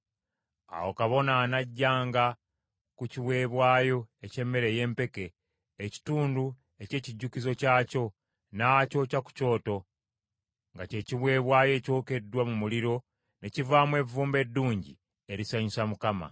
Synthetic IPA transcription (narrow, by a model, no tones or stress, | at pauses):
a̰wo̞kaβo̞naːnaɟːaːŋɡa | kuciβwe̞ːβwaːjo̞ece̞mːe̞ɾe̞je̞ːmpe̞keː | ci̥tuːndu | e̞ce̞ːciɟːukizo̞caːco̞ | naco̞caku̥co̞ːto̞ | ŋɡace̞ːciβwe̞ːβwaːjo̞co̞ːke̞dːwamumuliɾo̞ | ne̞civaːmwe̞vuːmbe̞dːuːɲɟḭ | e̞ɾisaɲisamukama̰